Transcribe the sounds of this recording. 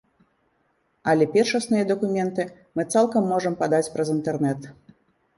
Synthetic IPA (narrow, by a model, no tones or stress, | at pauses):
ɐlʲɛpʲɛrʂɐsnɨjɐd̪ɐkumʲɛnt̪ɨ | mɨt̪salˠkɐmːɔʐɐmpad̪at͡sʲpɾɐzint̪ɛrnɛt̪